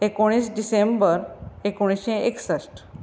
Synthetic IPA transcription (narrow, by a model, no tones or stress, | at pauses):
ekoɽ̃isɖisembəɾekoɽ̃isẽeksəsʈ